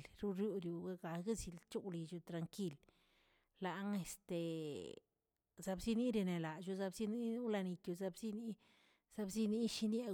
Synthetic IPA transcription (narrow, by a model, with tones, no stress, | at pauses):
lɾu˦ɾju˧d̪ju˨ɡa˦ɡa˨ɡa˦zi˧lt͡ʃu˦wli˧d͡ʒu˧t̪ɾa˧ŋki˦˧l | la˨˦ŋe˧st̪e˨ | za˧bzi˦ni˦ɾi˧ne˨la˨ʃu˧za˧bzi˦ni˦u˦la˧ni˧kju˧za˧bzi˦ni˦ | z̥a˦˧bzi˦ni˦ʃi˦nje˦